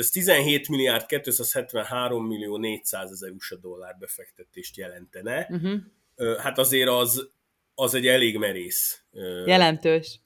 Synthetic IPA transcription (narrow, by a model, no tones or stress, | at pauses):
øst̪izɛnɦeːt̪miliaːrt̪̚kɛt̪ːøːsaːshɛt̪ʋɛnɦaːɾo̞mːilːioːneːcsaːzɛzɛɾuʃɒd̪o̞lːaːrbɛfɛkt̪ɛt̪eːʃt̪jɛlɛnt̪ɛnɛɦ | øːhat̪ɒzeːɾɒz | ɒzɛɟɛleːɡmɛɾeːs | øjɛlɛnt̪øːʃ